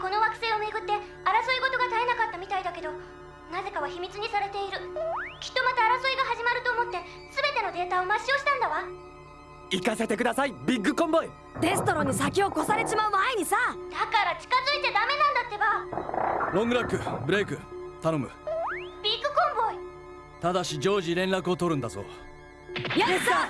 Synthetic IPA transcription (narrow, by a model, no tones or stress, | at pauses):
ko̞no̞βakɯ̟se̞ːo̞me̞ɡɯ̟t̪ːe̞ | aɾasoiɡo̞t̪o̞ɡat̪aenakat̪ːamʲit̪aid̪ake̞d̪o̞ | naze̞kaβ̞açimʲit͡sɨɲ̟isaɾe̞t̪e̞iɾɯ̟kʲi̥t̪ːo̞mat̪aːɾasoiɡaɦaʑimaɾɯ̟t̪o̞ːmo̞t̪ːe̞ | sɨbe̞t̪e̞no̞d̪e̞ːt̪aomaɕio̞ɕi̥t̪ãnd̪aβa | ikase̞t̪e̞k̬ɯ̟d̪asaibʲiɡːɯ̟kõ̞mbo̞i | ɾe̞sɨ̥t̪o̞ɾõ̞ɲ̟ːisakʲio̞ko̞saɾe̞ɕimaɯ̟maeɲ̟isad̪̥akaɾat͡ɕi̥kazɨit̪e̞d̪ame̞nãnd̪at̪ːe̞ba | ɾõ̞ŋɡɯ̟ɾakːɯ̟bɯ̟ɾe̞kɯ̟t̪ano̞mɯ̟b̥ʲiɡːɯ̟kõ̞mbo̞i | t̪ad̪aɕid͡ʑo̞ːʑiɾẽ̞nɾakɯ̟ot̪o̞ɾɯ̟nd̪azo̰ | jaesa